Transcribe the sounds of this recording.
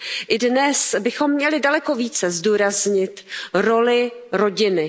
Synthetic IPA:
ʔɪdnɛsbɪxo̞mːɲɛlɪdalɛko̞viːt͡sɛzduːɾazɲɪt̪ɾo̞lɪɾo̞ɟɪnɪ

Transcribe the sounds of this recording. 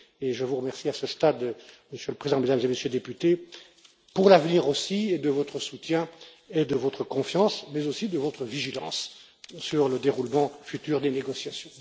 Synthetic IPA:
eʒəvuʁəmɛʁsiasəst̪ad̪ | məsjøləpχezid̪ɑ̃med̪amzeməsjøld̪epyt̪e | puʁlavniʁosied̪əvɔt̪χəsut̪jɛ̃ | ed̪əvot̪χəkɔ̃fjɑ̃smɛzosid̪əvot̪χəviʒilɑ̰̃sː | yʁləd̪eʁulmɑ̃fyt̪yːʁd̪eneɡɔsjasjɔ̃

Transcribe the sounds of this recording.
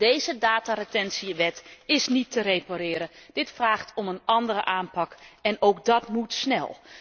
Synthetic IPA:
d̥ejzədaːtaretɛnsiʋɛtɪsnitərejpaɾɪːɾəd̥ɪtfraːχtʰɔmənɑndərəʔaːnpɑkɛnowkdɑtmutsnɛ̰lˠ

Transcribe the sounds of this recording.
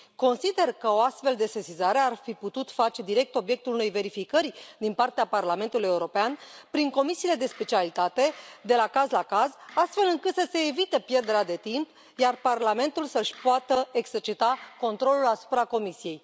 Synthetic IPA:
ko̞nsid̪e̞rkəo̞ast̪fe̞ld̪e̞sesizaɾe̞arfiput̪ut̪fat͡ʃe̞d̪iɾe̞k̚t̪o̞bje̞k̚t̪ulune̞jve̞ɾifikəɾʲd̪inpart̪eaparlame̞nt̪uluje̞uɾo̞peanpɾiŋko̞misiːle̞d̪e̞spe̞t͡ʃialit̪at̪e̞d̪e̞lakazlakazast̪fe̞lɨŋkɨt̪səse̞ːvit̪e̞pje̞rd̪eɾead̪e̞t̪imp | jarparlame̞nt̪ulsəʃʲpoat̪əe̞ɡz̥e̞rt͡ʃit̪ako̞nt̪ɾo̞lulasu̥pɾako̞misije̞j

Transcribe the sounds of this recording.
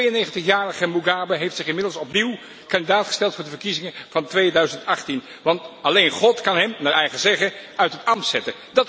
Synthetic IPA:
ejənejχəntəχjaːrəχəmuɡaːbəɦejftsɪχɪnmɪdlˠsɔpniw | kɑndidaːtχə̥stɛlˠtfʊːɹdəvəɹkizɪŋəvɑntʋejdœɥzəntɑχtin | ʋɑntɑlejnχɔtkɑnɦɛmnaɛjχəzɛχəœɥtɦətɑmtsɛtədɑt

